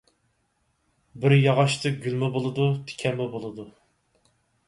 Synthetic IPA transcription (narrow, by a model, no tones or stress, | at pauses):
bɪɾjɑʁɑʃt̪ʰɨɡʲylmɛbolˠɨd̪ut̪ʰɪ̥kʲʰɛmɛbolˠɨd̪u